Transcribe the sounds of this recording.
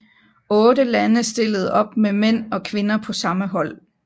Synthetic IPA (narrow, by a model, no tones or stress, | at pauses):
ɔ̽ːdəlænəsd̥e̝ləð̞̩ˠɒ̽b̥memen̰ɒ̽kʰʋe̝nɐpʰɒ̽sɑ̈məɦɒ̽l̰